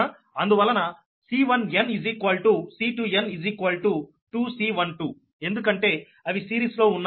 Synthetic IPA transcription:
ɐnd̪uʋɐlːɐnɐ | siːʋɐnɐnizikʋɐlʈusiːʈuːjenid͡ʒikʋɐlʈu | ʈuːsiːʋɐnʈuː | e̞nd̪uk̬ɐɳʈe̞ː | ɐʋisiːɾiːslo̞ːunː

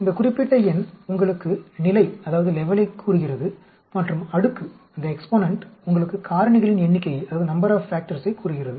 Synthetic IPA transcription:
ɪnd̪ɐkʊrɪpːɪʈːɐɛnʊŋɡɐɭɯkːɯnɪlɐɪɐðaːʋɐðɯlɛʋɐlɐɪkʰːuːɾɯɣɪrɐðɯ | mɐʈrɯmɐɽɯkːɯ | ɐnd̪ɐɛkspoːnɐɳʈʊŋɡɐɭɯkːɯkʰaːɾɐɳɪɣɐɭɪnɛɳːɪkːɐɪjɐðaːʋɐðɯnɐmbɐɾaːffaːk̚ʈɐɾsɐɪkːuːɾɯɣɪrɐðɯ

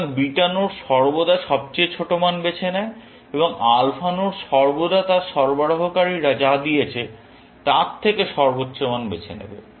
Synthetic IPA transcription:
biʈanoɾʃɔɾbod̪aʃɔb̚t͡ɕejt͡ɕʰoʈomanbet͡ɕʰenɛe | eboŋalfʰanoɾʃɔɾbod̪at̪aɾʃɔɾboɽoɦokaɾiɾad͡ʑad̪ijet͡ɕʰe | t̪aɾt̪ʰːekeʃɔɾbot̪ːɕomanbḛt͡ɕʰḛnḛbḛ

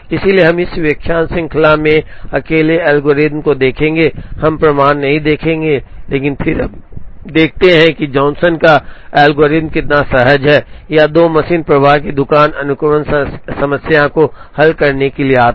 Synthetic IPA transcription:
ɪsilieɦɐmɪsʋjɐkʰjaːnsɪ̃ŋkʰɪlamẽɐkeːleɛːlɡoːɾɪt̪mkod̪eːkʰẽːŋɡehɐmpɾɐmaːnːɐɦĩd̪eːkʰẽːŋɡeleːkɪnpʰɪɾ̰d̪eːk̚ʰt̪eɦɛ̃kid͡ʒɔ̃ːnsənkaɛːlɡoːɾɪd̪mkɪt̪nasɐɦəd͡ʒɦɛːjad̪oːmɐsiːnpɾɐʋaːɾkid̪ʊkaːnɐnʊkʊmənsɐməsjakohɐlkɐɾnekelieaːt̪

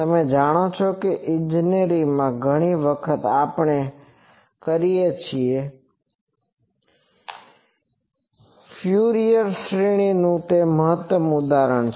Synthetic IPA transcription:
t̪əmed͡ʒaɽ̃ot͡ʃʰokeʔɪ̃nd͡ʒineɾimãɡʱəɽ̃iʋəkʰət̪apɳe | kəɾijet͡ʃʰie | fʰjuɾijəɾʃɾiɽ̃inũt̪eməɦət̪ʋəmʊd̪aɾəɳ̃t͡ʃʰ

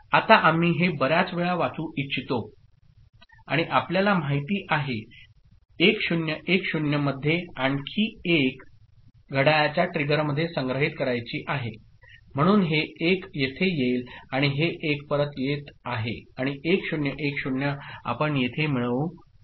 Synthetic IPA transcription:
at̪aʔam̤iːɦebəɾjat͡sʋeɭaʋat͡suːʔitːɕʰit̪o | aɽ̃iʔapljalam̤ajt̪iːʔaɦe | ekɕunjəʔekɕunjəməd̪ʱːjeankʰiːek | ɡʱəɽajat͡ɕjaʈɾiɡəɾməd̪ʱːjesəŋɡɾəɦit̪̚kəɾajt͡ɕiːʔaɦe | m̤əɽ̃uːnɦeekjet̪ʰejelaɽ̃iɦeʔek̚pəɾət̪jet̪aɦḛaɽ̃iekɕunjəʔekɕuɳjəa̰pəɳjet̪ʰem̤iɭə

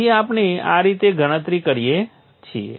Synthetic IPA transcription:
iapnea̰ɾit̪eɡəɽ̃ə̃t̪ɾikəɾije | t͡ʃʰiḛ

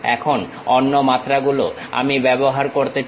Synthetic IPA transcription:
ɛ̰kʰon | ɔnːomat̪ːɾaɡulo̰ | a̰mibɛboɦaɾkoɾt̪et͡ɕ

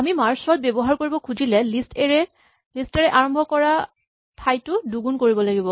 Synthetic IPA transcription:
amimaɹsɔt̚bebɔɦaɹkoɹibɔkʰuzilɛlisteɹɛ | listɛɹɛʔaɹɔmbʱɔkɔɹa | pʰajtʊduɡunkoɹibɔlaɡibɔ

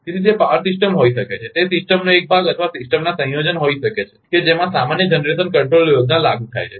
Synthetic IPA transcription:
kit̪ʰid͡ʒepaəɾsɪsʈəmɦoiʃəket͡ʃʰet̪esɪsʈəmnoek̚bʱaɡət̪ʰʋasɪsʈəmnasə̃jod͡ʒənɦoiʃəket͡ʃʰe̥ked͡ʒemãsamanjəd͡ʒənɾes̬ənkəɳʈɾoljoɡnalaɡũt̪ʰa̰jt͡ʃʰe

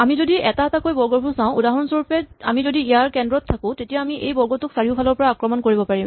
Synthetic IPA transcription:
amizodiɛtaɛtakojbɔɹɡɔɹbʱuɹsãʊ̃udaɦɔnsɔɹupɛa̰mizodiijaɹkɛndɹɔtʰːakʊ̃tetijaamiʔejbɔɹɡɔtʊksaɹiʊpʰalɔɹpɔɹaakɹɔmɔnkoɹibɔpaɹim

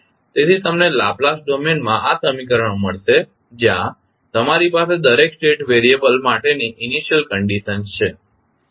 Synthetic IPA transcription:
t̪et̪ʰit̪əmnela̰plasɖomenmãʔasəmikəɾəɳ̃oməɭʃe | d͡ʒjã | t̪əmaɾipased̪əɾeksʈeʈʋeɾiebəlmaʈeniʔɪniʃjəlkəɳɖiʃənst͡ʃʰe

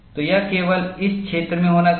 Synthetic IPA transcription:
t̪ojɐkeːʋəlɪskʃʰeːt̪ɾəmẽɦoːna

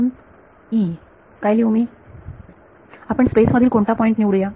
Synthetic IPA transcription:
n | i | kajliːumi | apəɳspesməd̪ʱiːlkoɳʈ̪apɔiɳʈniʋɽuja

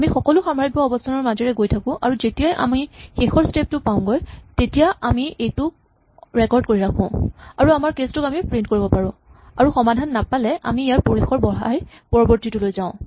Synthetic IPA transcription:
amixɔkɔlʊxamaɹik̚bɔɔbɔstʰanɔɹmazɛɹɛɡojtʰakʊ̃ʔa̰ɹuzetijajʔa̰mixexɔɹstep̚tʊpaʊ̃ɡɔjtetijaamiʔejtʊ | ɹɛkɔɹd̚koɹiɹakʰʊ̰̃aɹuamaɹkestʊkamipɹint̚koɹibɔpaɹʊ̃aɹuxɔmadʱanːapalɛʔa̰miːjaɹpoɹixɔɹbɔɦa̰j | pɔɹɔbɔɹtitulojzaʊ̃

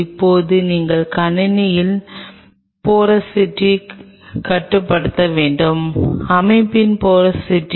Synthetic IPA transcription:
ɪpːoːðɯniːŋɡɐɭkɐɳɪnɪjɪl | poːɾɐsɪʈrːi | kɐʈːɯpːɐɽɯt̪ːɐʋeːɳɖɯmɐmɐɪpːɪnpoːɾɐsɪʈr

